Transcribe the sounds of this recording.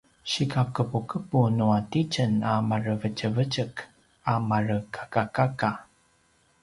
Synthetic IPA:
ɕikakəpukəpunuatit͡ʃənamaɾəvət͡ʃəvət͡ʃək | amarəkʰḁkakaka

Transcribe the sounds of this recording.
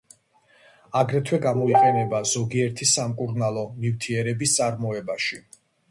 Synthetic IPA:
aɡɾɛt̪ʰwɛɡamɔiqʼɛnɛbaz̥ɔɡiɛɾt̪ʰisamkʼuɾnalˠɔmift̪ʰiɛɾɛbist̪sʼaɾmɔɛbaʃi

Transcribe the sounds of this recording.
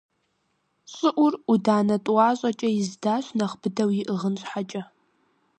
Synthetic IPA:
ɕʼɨʔʷʊrudaːnɐtʼwɑːɕʼɐt͡ʃʼɐjɪzdaːɕʷnɐχb̥ɨdɐwjɪʔɨʁənɕħat͡ʃʼɐ

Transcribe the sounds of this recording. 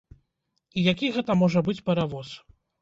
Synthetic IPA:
ijakʲiɣɛt̪ɐmɔʐɐbɨt͡sʲpʲɛɾavɔs

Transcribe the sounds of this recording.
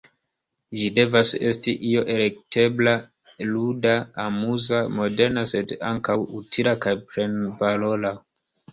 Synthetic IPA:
d͡ʒide̞vase̞stiʔio̞ʔe̞le̞k̚te̞bla | ludaamuzamo̞de̞ɾnase̞da̰ŋkawutʰilakajpɾe̞nvalo̞la

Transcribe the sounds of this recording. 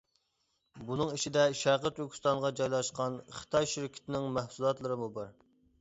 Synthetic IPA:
bunɨŋiʃid̪ɛʃæɾqət̪yɾkʲʰist̪ɑɴʁɑd͡ʒɑjlˠɑʃqɑnχə̥t̪ʰɑjʃiɾɪkʲʰɪ̥t̪ʰɪnɪŋmæhsulˠɑt̪lˠɨɾɨmubɑɾ

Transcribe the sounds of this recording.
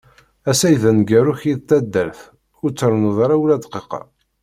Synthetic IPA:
æsæjðænɡæɾuçiðt̪ːæd̪ːæɾθ | ʊɾt͡sːəɾnuðˤɑɾawlæd̪qeqɑ̰

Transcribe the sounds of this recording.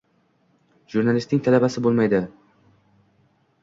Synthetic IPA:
ʒuɾnalɪst̪ɪŋt̪ʰalabasɪbolˠmajd̪ɪ

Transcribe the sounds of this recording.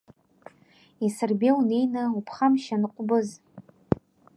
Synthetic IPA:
isɨrbʲewnejnaupʰχamʃanɨqʷʼbɨz

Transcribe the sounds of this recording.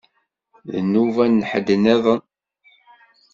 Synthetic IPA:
ðənːuvænːħəd̪əneðˤən

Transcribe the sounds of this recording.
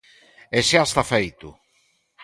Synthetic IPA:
eʃast̪afejt̪ʊ̰

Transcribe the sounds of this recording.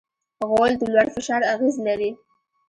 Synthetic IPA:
ɣold̪əlwaɽfɪʃɑɾaɣezlaɾi

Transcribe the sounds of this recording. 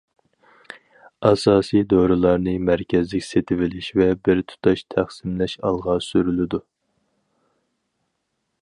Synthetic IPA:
ɑsɑːsijd̪oɾɨlˠɑɾnɨmæɾkʲʰɛzlɪkʲset̪ʰɪvɪlɪʃvɛbɪɾt̪ʰu̥t̪ʰɑʃt̪ʰæχsɪmlɛʃɑlˠʁɑsyɾylɪd̪u

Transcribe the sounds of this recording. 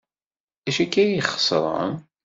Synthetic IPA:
æʃækːæjiχə̥sˤɾˤə̰m

